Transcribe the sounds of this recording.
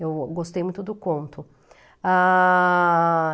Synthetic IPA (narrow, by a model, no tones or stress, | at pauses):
ewɡost̪ejmũj̃t̪ʊd̪ʊkõt̪ʊ | a